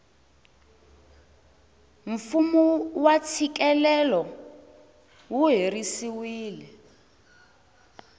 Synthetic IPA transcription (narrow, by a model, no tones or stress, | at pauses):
ɱfumuwat͡sʰik̬ʼɛlɛlɔ | wuɦerisiwiːlɛ